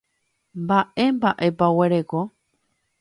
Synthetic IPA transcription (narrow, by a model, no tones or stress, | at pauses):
mbaʔe̞mbaʔe̞paweɾeko